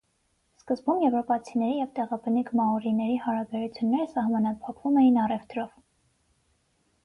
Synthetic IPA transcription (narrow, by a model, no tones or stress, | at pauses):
skəzbumjɛvɾɔpɑt͡sʰinɛɾijɛvt̪ɛʁɑbənikʰmɑɔɾinɛɾihɑɾɑbɛɾut͡sʰjunːɛɾəsɑhmɑnɑpʰɑkvumɛjinɑrɛvt̪ɾɔv